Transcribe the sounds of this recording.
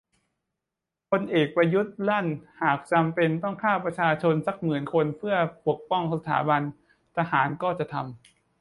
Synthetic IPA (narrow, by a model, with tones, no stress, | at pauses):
pʰo˧nʔeː˨˩k̚pɾa˧ju˦˥t̪̚la˥˩nhaː˨˩k̚t͡ɕa˧mpe˧nt̪ɔ˥˩ŋkʰaː˥˩wpɾa˧t͡ɕʰaː˧t͡ɕʰo˧nsa˨˩k̚mɯː˨˩nkʰo˧npʰɯ˥˩ɐpu˨˩ək̚pɔ˥˩ŋsa˧t̪ʰa̰ː˩˦ba˧n | t̪ʰa˧haː˩˦nkɔː˥˩t͡ɕa˨˩ʔt̪ʰa˧m